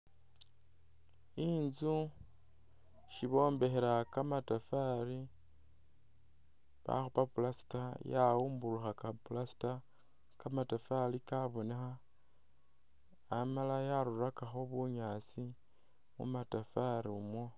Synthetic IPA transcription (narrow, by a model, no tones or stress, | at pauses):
inzu | ʃiβo̞ːmbe̞xeɾakamatafaɾi | βa̰xupapulasi̥tajaumbuluxakapulasi̥ta | kamatafalikaβo̞nexa | malajaɾurakaxo̞βuɲaːt͡si | mṵmatafaɾiumwo